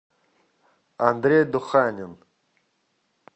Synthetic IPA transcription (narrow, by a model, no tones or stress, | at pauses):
and̪ɾed̪uxaːnʲin